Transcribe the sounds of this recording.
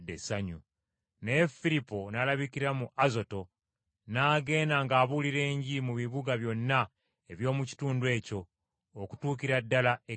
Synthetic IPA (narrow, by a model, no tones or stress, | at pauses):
desaɲu | nefilipo̞nalaβikiɾamuʔazo̞to̞ | naːɡe̞ːnaŋɡaːβuliɾe̞ːɲɟimuβiβuɡaβjo̞nːa | e̞βjo̞ːmuci̥tuːndwe̞ːco̞ː | ku̥tuːkiɾadːalae